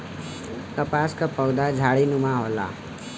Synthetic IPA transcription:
t̪əpaskapʌwd̪ad͡zʱaɽinumaɦola̰

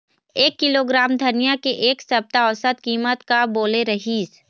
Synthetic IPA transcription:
eːkːɪloɡɾaːmd̪ʱɐnijakeʔeːksɐb̚t̪aɔːsət̪kiːmət̪kaboːleɾɐɦiːs

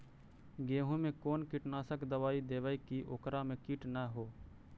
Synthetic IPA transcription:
ɡeːɦõmẽkoːnkɪʈnaːsəkd̪əʋaːid̪eːʋaːikiʔoːkɾamẽkiʈnəɦoː

